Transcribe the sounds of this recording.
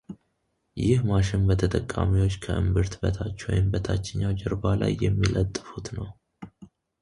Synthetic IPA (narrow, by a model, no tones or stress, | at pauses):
jɪhmaʃɪnbət̪ʰət̪ʼəkʼːa̰miwo̞t͡ʃːkʰəʔɨmbɨɾt̪bət̪ʰat͡ʃːwɔ̰jɪmbət̪ʰat͡ʃːɪɲːawd͡ʒɛɾbala̰jːɛmːilət̪ʼːɨfut̪nəw